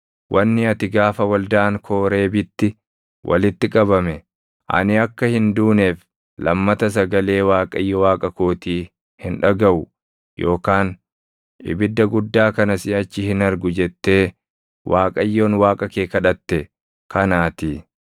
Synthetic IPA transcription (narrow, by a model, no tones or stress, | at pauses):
wʔɐnːɪɐt̪ɪɡaːfɐwɐld̪aːŋkʰoːɾe̞ːbɪt̪ːɪ | wʔɐ̰lɪt̪ːɪkʼɐbɐmɛ | ʔɐ̰nɪɐkːɐhɪnd̪uːneːf | lɐmːɐt̪ɐs̬ɐɡɐle̞ːwaːkʼɐjːɔwaːkʼɐkoːt̪iː | hɪnᶑɐɡɐʔʊ | jʔo̞ːkaːn | ɪ̰bɪd̪ːɐɡʊd̪ːaːkɐnɐsɪɐt͡ʃːɪhɪnɐɾɡʊd͡ʒɛt̪ːe̞ː | wʔaːkʼɐjːoːnwaːkʼɐkeːkɐᶑɐt̪ːɛ | kʰɐnaːt̪iː